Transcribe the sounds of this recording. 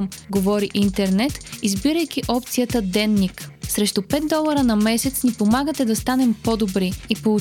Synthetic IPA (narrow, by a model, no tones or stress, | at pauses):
mɡovɔɾiʔint̪ɛɾnɛt̪izbiɾəjk̟iʔɔpt̪sijət̪əd̪ɛnːiksɾɛʃt̪opɛt̪̚d̪ɔlˠəɾənɐmɛsɛt̪snipomaɡət̪ɛd̪ɐst̪anɛmpɔd̪obɾiipou